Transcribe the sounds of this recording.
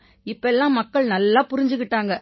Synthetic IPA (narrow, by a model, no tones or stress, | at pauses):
ɪpːɐɛlːãːmɐkːɐɭnɐlːaːpʊɾɪɲd͡ʒɯkːɪʈːaːŋɡɐ